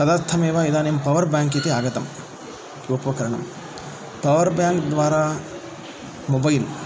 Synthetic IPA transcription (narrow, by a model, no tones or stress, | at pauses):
t̪ɐd̪aːɾt̪ʰɐmeːʋaːid̪aːnempɐʋɐɾbjaːŋk̬it̪eaːɡɐt̪ɐm | ʋopːɐkɐɾɐɳɐ̰m | pɐʋɐɾbjaːŋkd̪ʋaːɾaː | mobɐjil